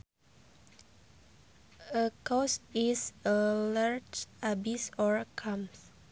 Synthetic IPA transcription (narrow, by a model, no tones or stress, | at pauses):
əkɔsisəlaɹd͡ʒabisɔɹkʰãms